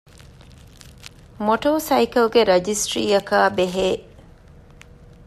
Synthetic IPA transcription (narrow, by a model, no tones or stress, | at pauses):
moʈoːsɐjkɐlɡeɾɐd͡ʒisʈɾiːɐkaːbeɦeː